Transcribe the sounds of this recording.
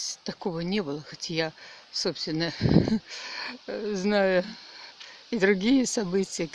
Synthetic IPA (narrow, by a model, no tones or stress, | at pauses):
t̪ɐko̞vənʲebɨlˠəxɐtʲajasopst̪vʲɪnːə | znajʊ | id̪ɾʊɡʲijəsɐbɨtʲɪjə